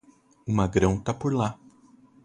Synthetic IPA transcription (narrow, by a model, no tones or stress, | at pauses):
ʊmaɡɾɐ̃w̃t̪apoɾla